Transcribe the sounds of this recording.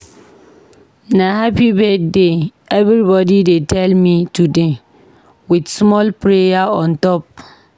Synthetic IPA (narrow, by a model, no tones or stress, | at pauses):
naɦapibedde | ɛvɾibɔdidetʰɛlmĩtude | widsmɔlpɾejaɔ̃ntɔp̚